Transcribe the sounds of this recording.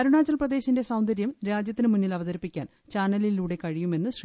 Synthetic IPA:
ɐɾuɳaːd͡ʑɐlprɐd̪e̞ːɕinde̞sɐwnd̪ɐɾjɐmɾaːd͡ʑjɐt̪ːinɨmunːilɐʋɐðɐɾipːikʲːa̰ːn | t͡ɕaːnɐliluːɽe̞kɐɻijume̞nːɨɕri

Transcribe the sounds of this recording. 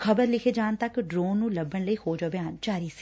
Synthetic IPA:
kʰəbəɾlɪkʰeːd͡ʒaːnt̪əkɖɾoːnːũːləbːəɳləiːhoːd͡ʒaːbeaːnt͡ʃaːɾiːsi̥

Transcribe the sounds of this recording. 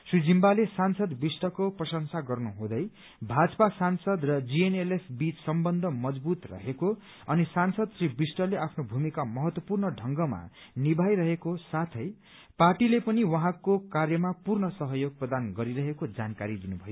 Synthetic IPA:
sud͡zimbalesansʌd̪bisʈʌkoprʌsʌŋsaɡʌrnuɦõd̪ʌj | bʱad͡zʌpasansʌd̪rʌd͡zienelepʰbit͡ssʌmbʌnd̪ʱʌmʌd͡zbut̪rʌ̰ɦeko | ʌnisansʌd̪sribisʈʌleʔapʰnobʱumikamʌɦʌt̪wʌpurnʌɖʱʌŋɡʌma̰ | nibʱajɾʌɦekosat̪ʰʌj | parʈilepʌniwʌɦãkokarjʌmapurnʌsʌɦʌjoɡ̚prʌd̪anɡʌɾiɾʌɦekod͡zankaɾid̪inubʱʌjo

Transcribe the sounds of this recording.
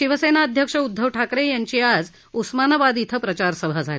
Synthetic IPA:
ʃiʋəsenaəd̪ʱjəkʂəud̪ʱːəʋʈʰakɾejaɲt͡ɕiːad͡z | usmanabad̪it̪ʰəpɾət͡ɕaɾsəbʱad͡zʱale

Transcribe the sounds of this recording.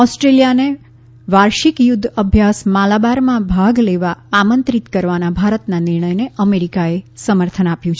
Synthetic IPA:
ɔsʈɾelijane | ʋaɾʃikjʊd̪ʱːəbʱjasmalabaɾmãbʱaɡleʋaamənt̪ɾit̪kəɾʋanabʱaɾət̪naniɾɳəjneəmeɾikaesəməɾt̪ʰənapjũt͡ʃʰ

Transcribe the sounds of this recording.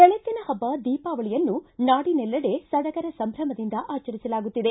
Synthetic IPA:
k̪ɛɭɐt̪ːinɐhɐbːɐd̪iːpaːʋɐɭijɐnːunaːɽinɛlːɐɽe̞sɐd̪ɐɡɐɾɐsɐmbʱɾɐmɐd̪ind̪ɐʔaːt͡ʃɐɾisɐlaːɡut̪ːid̪e̞

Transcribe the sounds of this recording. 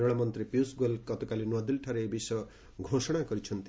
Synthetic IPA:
ɾɔɭamɔnt̪ɾipjusɡolkɔt̪ɔkalinwɔd̪ilʈʰaɾeebisj | ɡʱosɔɽ̃akɔɾit͡ʃʰɔnt̪

